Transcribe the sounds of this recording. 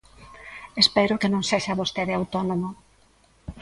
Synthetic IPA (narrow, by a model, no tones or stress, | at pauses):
espɛɾʊkenõŋseʃaβost̪eðɪawt̪onomo